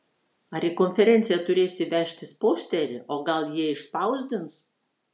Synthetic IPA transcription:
ɐɾʲiːkɔnʲfʲɛɾʲɛˑnt̪sʲɪjɛt̪ʊɾʲeːsʲɪʋʲæˑʃʲt̪ʲɪspoːsʲt̪ʲɛɾʲɪʔoːɡɐlˠjiɛɪʃspɐˑʊzʲd̪ʲɪns

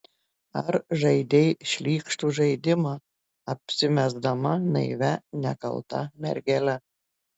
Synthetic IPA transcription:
ɐɾʒɐɪd̪ʲejʃʲlʲiːkʃt̪uʒɐɪd̪ʲɪmɑ | ɐpʲsʲɪmʲæzd̪ɐmɑnɐ̰ɪʋʲænʲæ̰kɐ̰lˠt̪ɑ̰mʲɛ̰ɾʲɡʲælʲæ

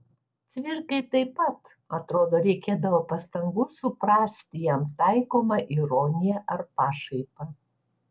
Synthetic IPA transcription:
t̪sʲʋʲɪɾkɐɪt̪ɐɪpɐt̪ | ɐt̪ɾoːd̪oːɾʲɛɪkʲeːd̪ɐʋoːpɐst̪ɐŋɡusʊpɾɑːsʲt̪ʲɪjɛmt̪ɑɪkoːmɐʔiɾoːnʲɪjɛʔɐɾpɑːʃɐɪpɐ

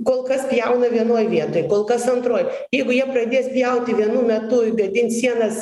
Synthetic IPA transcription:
koːlˠkɐspʲjɛʊnɐʋʲiɛnoːjʋʲiɛt̪oːjkoːlˠkɐsɐnt̪ɾoːj | jɛɪɡʊjiɛpɾɐd̪ʲeːspʲjɛʊt̪ʲɪʋʲiɛnuːmʲɛt̪ʊːbʲɛt̪ʲɪnsʲiɛnɐs

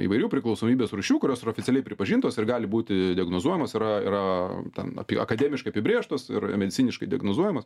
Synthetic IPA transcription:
ḭʋɐɪɾʲuːpʲɾʲɪklˠɐʊsoːmʲiːbʲeːsruːʃʲuːkʊɾʲoːsɪɾɐoːfʲɪtt͡s̪ʲɛlʲɛɪpʲɾʲɪpɐʒʲiːnt̪oːsɪrɡɑːlʲɪbuːt̪ʲɪd̪ʲɪɛɡnoːzuɔjɛmoːsɪɾɐɪ̰ɾɐt̪ʲɛ̰nɐ̰pʲɪɐ̰kɐd̪ʲeːmʲɪʃkɐɪɐpʲɪbʲɾʲeːʃt̪oːsɪ̰rmʲɛd̪ʲɪtsʲiːnʲɪʃkɐɪdʲɪɐɡnoːzuɔjɛmɐs

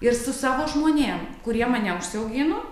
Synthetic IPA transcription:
ɪɾsʊsɑːʋoːʒmoːnʲeːmkʊɾʲiɛmɑːnʲɛʊʃʲsʲɪɛʊɡʲɪno

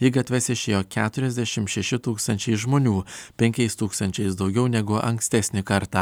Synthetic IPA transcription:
jɪɡɐt̪ʲʋʲɛsʲɪʃʲeːjoːkʲæːt̪ʊɾʲɛzʲd̪ʲæʃʲɪmtʃʲɛʃʲɪt̪uːkst̪ɐnʲt͡ʃʲɛɪʒmoːnʲuːpʲɛŋʲkʲɛɪst̪uːkst̪ɐnʲt͡ʃʲɛɪsd̪ɒʊɡʲɛʊnʲɛɡʊʔɐŋksʲt̪ʲæːsʲnʲɪkɐɾt̪ɑː

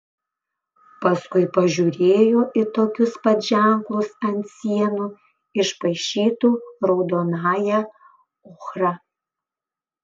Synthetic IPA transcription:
pɐskʊɪpɐʒʲuːɾʲeːjoːʔɪt̪oːkʲʊspɐt̪ʒʲæˑŋklˠʊsɐnʲt̪ʲsʲiɛnuː | ɪʃpɐɪʃʲiːt̪uːɾɒʊd̪oːnɑːjɛ | ʊxɾɐ

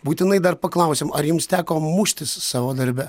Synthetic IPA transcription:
buːt̪ʲɪnɐɪd̪ɐɾpɐklˠɑˑʊsʲeːmɐɾjʊmst̪ʲæːkoːmʊʃʲt̪ʲɪssɑːʋoːd̪ɐɾʲbʲɛ

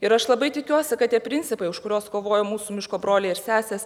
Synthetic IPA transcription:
ɪɾɐʃlˠɐbɐɪt̪ʲɪkʲuɔsʲɪkɐt̪tʲiɛpʲɾʲɪnʲt͡ssʲɪpɐɪʊʃkʊɾʲoːskoːʋoːjoːmuːsumʲɪʃkoːbɾoːlʲɛɪɪɾsʲæːsʲeːs

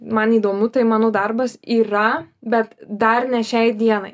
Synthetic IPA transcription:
mɐniːd̪oːmʲʊt̪ɐɪmɑːnoːd̪ɐrbɐsiːɾɐbʲɛt̪d̪ɐrnʲɛʃʲɛɪd̪ʲiɛnɐɪ

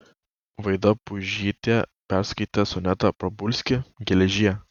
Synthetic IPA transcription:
ʋɐɪd̪ɐpʊʒʲiːt̪ʲeːpʲæɾskɐɪt̪ʲɛsʊnʲɛt̪ɐpɾɐbʊlʲsʲkʲɪɡʲɛlʲɛʒʲiɛ

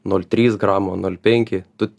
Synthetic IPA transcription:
nulʲt̪ʲɾʲiːsɡɾɑːmoːnuɔlʲpʲɛŋʲkʲɪt̪ʊ

